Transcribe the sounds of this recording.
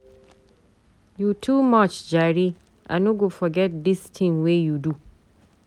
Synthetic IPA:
jutʰumat͡ʃd͡ʒaɹi | ʔa̰noɡofɔɡɛt̚d̪istʰĩmwejudu

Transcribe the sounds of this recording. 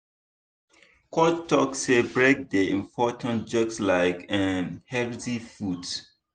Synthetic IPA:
kɔtːɔksebɹek̚deĩmpʰɔtʰə̃nd͡ʒɔkslaɪkɛ̃nhɛltifut

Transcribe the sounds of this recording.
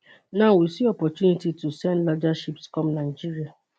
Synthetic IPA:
nawisiɔpɔt͡ʃunititusɛ̃nlɔd͡ʒaʃipskɔ̃mnaɪd͡ʒiɾia

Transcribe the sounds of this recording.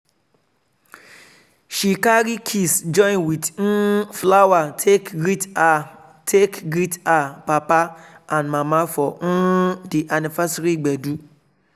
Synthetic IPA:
ʃikaɾikʰisd͡ʒɔ̃ĩnwidn̩flawatʰekɡɾit | tʰekɡɾitapapa | ãnmãmãfɔn̩diʔanĩfasɾiɡ͡bɛdu

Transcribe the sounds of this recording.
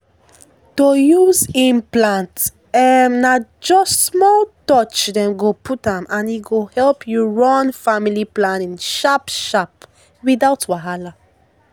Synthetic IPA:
tojuzĩmplãnt | mnad͡ʒɔssmɔltɔt͡ʃdɛ̃mɡopʰutãmãniɡohɛlpjɔɹɔ̃nfamiliplãnĩnʃapʃap | widaʊtwaɦala

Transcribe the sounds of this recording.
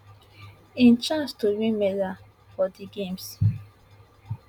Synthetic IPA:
ĩnt͡ʃãnstoɹimeda | fɔdiɡẽms

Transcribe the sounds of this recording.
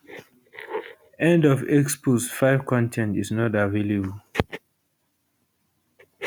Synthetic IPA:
ɛ̃ndɔvɛksposfaɪv̥kʰɔ̃ntʰɛ̃ntiznɔtavelebəl

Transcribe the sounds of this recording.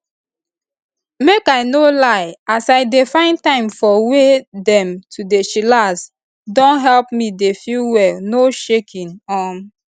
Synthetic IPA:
mekaɪnolaɪasaɪdefãɪ̃ntãɪ̃mfɔwedɛ̃mtʰudeʃilas | dɔ̃nɦɛlpmidefuwɛlnoʃekʰĩnɔn

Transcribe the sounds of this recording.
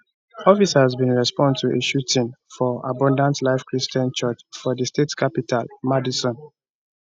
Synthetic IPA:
ɔfisazbĩnɹɛspɔ̃ndtʰuʔeʃutʰĩnfɔa̰bɔ̃ndãntlaɪfkɹistɔ̃nt͡ʃɔt͡ʃfɔðəstetkʰapitalmadisɔ̃n

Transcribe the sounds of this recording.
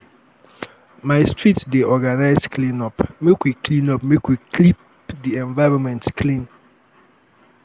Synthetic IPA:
maɪstɹitdeʔɔɡanaɪzklĩnɔpmekwiklĩnɔp̚mekwiklip | diɛ̃ɱvaɪɹɔ̃nmɛ̃ntkʰlĩn

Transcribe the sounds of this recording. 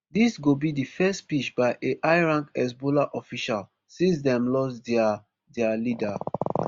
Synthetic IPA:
disɡobidifɛstpit͡ʃbaɪʔeʔaɪɹãŋkɛs̬bolaʔɔfiʃal | sĩns̬dɛ̃mlɔsda | dɛalida

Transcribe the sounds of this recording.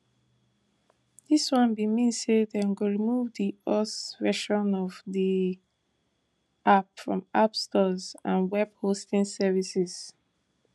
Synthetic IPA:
diswɔ̃nbimisedɛ̃nɡoɹimuvdiɔsvɛʃɔ̃nɔvdi | apfɹɔ̰̃mapstɔzãnwɛb̥̚hostĩŋsɛvisiz̥

